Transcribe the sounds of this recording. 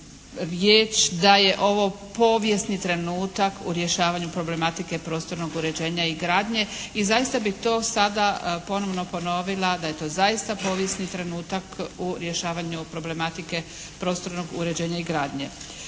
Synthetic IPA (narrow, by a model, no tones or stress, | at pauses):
ɾjeːt͡ʃd̪aje̞ʔo̞ʋo̞ | po̞ːʋje̞snit̪ɾe̞nuːt̪akʰuɾje̞ʃaːʋaɲupɾo̞ble̞mat̪ike̞pɾo̞st̪o̞ɾnoɡuɾe̞d͡ʑe̞ːɲaiɡɾaːd̪ɲe̞izajist̪abixt̪o̞ːsad̪apo̞no̞ʋno̞po̞no̞ʋilˠad̪aje̞t̪o̞ːzajist̪apo̞ːʋje̞snit̪ɾe̞nuːt̪akuɾje̞ʃaːʋaɲupɾo̞ble̞mat̪ike̞ | pɾo̞ːst̪o̞ɾno̞ɡuɾe̞d͡ʑe̞ːɲaiɡɾaːd̪ɲe̞̰